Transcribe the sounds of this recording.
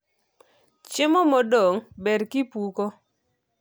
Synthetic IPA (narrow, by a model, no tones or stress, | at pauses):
t͡ʃɪmɔmɔdoŋbɛdkɪpuko